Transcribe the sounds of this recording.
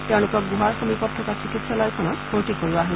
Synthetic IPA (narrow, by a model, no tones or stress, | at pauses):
teʊ̃lʊkɔk̚ɡuɦaɹxomipɔtʰːɔkasikitsalɔjkʰɔnɔtbʰoɹtikoɹiaɦe